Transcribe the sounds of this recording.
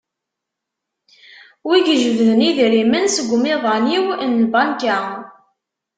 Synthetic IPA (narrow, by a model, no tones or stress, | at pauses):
wiɡəʒəvðəniðɾimənsəɡʷmiðˤɑniwnbɑnkæ